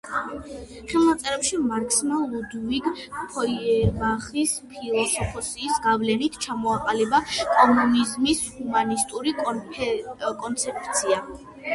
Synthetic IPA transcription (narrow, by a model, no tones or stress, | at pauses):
χɛlˠnat̪sʼɛɾɛpʃimaɾkʰʼsmalˠud̪uviɡpʰɔɛmaχispʰilˠɔsɔpʰɔsiːsɡavlɛnit̪ʰt͡ʃʰamɔaqʼalɛbakʼɔmunizmishumanist̪ʼuɾi | kʼɔnt̪sʰɛp̚ʰt̪sʰia